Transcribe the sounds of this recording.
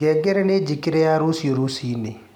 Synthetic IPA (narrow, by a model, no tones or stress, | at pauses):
ɛɡɛɾɛned͡ʒikiɾɛaɾusioɾusine